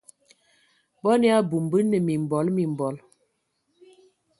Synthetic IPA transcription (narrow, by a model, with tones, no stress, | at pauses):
bɔ˦ni˦a˦bu˨mbə˦nə˨mi˨m˨bɔ˨˦lmi˨m˨bɔ˨˦l